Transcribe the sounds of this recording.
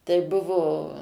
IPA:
tɐɪ ˈbʊʋoː

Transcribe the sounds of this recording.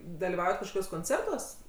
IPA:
dɐlʲiːˈʋɐʊjɛt kɐʃkoːˈkʲuɔs koːnʲˈt͡sʲɛrtuɔs

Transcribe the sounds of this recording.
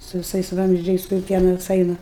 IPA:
sʊ ʋʲɪˈsɐɪs ˈʋɐmʲzʲd͡ʒʲɛɪs kʊr ˈpʲiɛnɐs ˈɐɪnɐ

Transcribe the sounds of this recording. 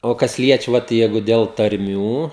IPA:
oː ˈkɐs ˈlʲiɛt͡ʃʲɛ ˈʋɐt ˈjɛɪɡʊ dʲɛlˠ tɐrʲˈmʲuː

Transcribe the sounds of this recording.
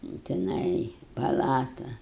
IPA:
jɛʊ tʲɪˈnɐɪ pɐˈlˠɑːtʊ

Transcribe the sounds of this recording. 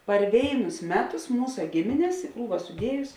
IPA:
pɐr ˈʋʲeːɪnʊs ˈmʲæːˌtʊs ˈmuːsɐ ˈɡʲɪmʲɪnʲɛs ɪ ˈkruːʋɐ sʊˈdʲiɛjʊs

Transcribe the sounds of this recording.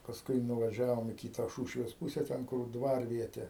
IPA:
pɐsˈkʊɪ nʊʋɐˈʒʲæːʋoːm iː ˈkʲiːtɐ ˈʃuːʃʲʋʲeːs ˈpuːsʲɛ ˈtʲɛn kʊr ˈdʋɐrʲʋʲiɛtʲɛ

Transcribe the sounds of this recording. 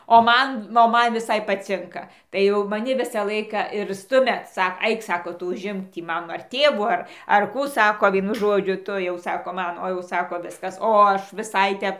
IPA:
oː ˈmɐn oː ˈmɐn ʋʲɪˈsɐɪ pɐˈt͡sʲɪŋkɐ tɐɪ ˈjɛʊ mɐˈnʲɪ ˈʋʲɪsɑː ˈlˠɐɪkɑː ɪr ˈstʊmʲɛ ˈsɐk ˈɐɪk ˈsɑːkoː ˈtʊ ʊʒʲˈɪmk ˈtʲiː ˈmɐn ɐr ˈtʲeːʋuː ˈɐr ɐr ˈkuː ˈsɑːkoː ˈʋʲiɛnʊ ˈʒoːd͡ʒʲʊ ˈtʊ jɛʊ ˈsɑːkoː ˈmɐn oː jɛʊ ˈsɑːkoː ˈʋʲɪskɐs oː ˈɐʃ ʋʲɪˈsɐɪ ˈtʲɛp

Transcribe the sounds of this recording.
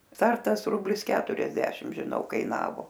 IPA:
ˈstɐrtɐs ˈrʊbʲlʲɪs ˈkʲæːtʊrʲɛzʲdʲɛʃʲɪm ʒʲɪˈnɐʊ kɐɪˈnɑːʋoː

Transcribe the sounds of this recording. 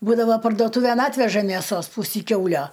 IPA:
ˈbuːdɐʋɐ pɐrduɔˈtuːʋʲeːn ˈɑːtʲʋʲɛʒɐ mʲeːˈsoːs ˈpʊsʲiː ˈkʲɛʊlʲoː

